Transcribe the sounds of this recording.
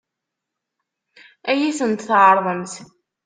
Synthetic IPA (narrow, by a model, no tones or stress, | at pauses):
æjisənt̪θʕəɾˤðˤəmθ